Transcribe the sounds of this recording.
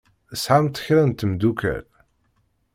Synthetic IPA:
əsħamt̪ə̥çɾænt̪əmd̪ukæ̰l

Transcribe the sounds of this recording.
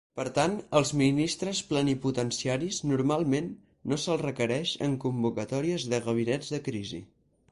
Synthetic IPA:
pəɾt̪anəlˠzminist̪ɾəspləniput̪ənsiaɾiznuɾmalˠmenː | osəlˠrəkəɾɛʃə̰ŋkumbukət̪ɔɾiəzðəɣəβ̞inɛd͡zðəkɾizḭ

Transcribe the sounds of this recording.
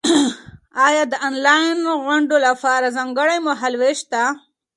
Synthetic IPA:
ɑjɑd̪əɑnlɑjnɣʊɳɖolapɑɾazɑŋɡəɽajmaɦalweʃt̪a

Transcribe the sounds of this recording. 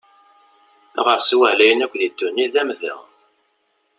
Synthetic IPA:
ʁəɾswælæjənækʷːðid̪ːunːiðæmðə̰

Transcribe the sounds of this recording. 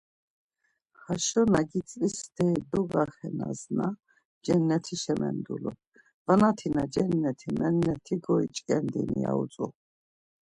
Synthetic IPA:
χaʃɔnaɡit͡sʼisd̪ɛd̪ɔɡaχɛna̰zna | d͡ʒɛnːɛt̪ʰiʃɛmʔɛ̰nd̪ulɔ̰ | vanat̪ʰinad͡ʒɛnːɛt̪ʰimɛnːɛt̪ʰiɡɔit͡ʃʼkʼɛnd̪inijaut͡sʼu

